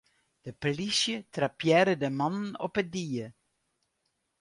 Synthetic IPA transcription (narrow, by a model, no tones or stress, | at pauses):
d̥əpəlisjətrapjɛːɾədəmɑnənɔ̰pədiːə